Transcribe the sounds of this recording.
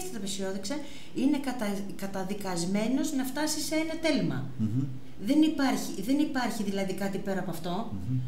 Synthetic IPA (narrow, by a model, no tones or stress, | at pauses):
st̪ɐ̥t̪ɐpesio̞ðekse | ine̞kɐt̪ɐ | kɐt̪ɐðikɐzme̞no̞znɐft̪ɐsiseenɐt̪e̞lmɐ̰ | ðenipɐɾçiðe̞nipɐɾçiðilɐðikɐt̪ipe̞ɾɐːpoɐft̪o̞